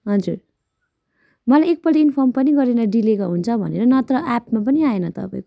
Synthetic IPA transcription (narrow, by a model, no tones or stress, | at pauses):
ɦʌd͡zur | mʌlajek̚pʌliinpʰʌrmpʌniɡʌɾenʌɖilekaɦunt͡sʰʌbʱʌ̰neɾʌnʌt̪rʌʔapmap̬ʌniaenʌt̪ʌ̰pa̰ĩko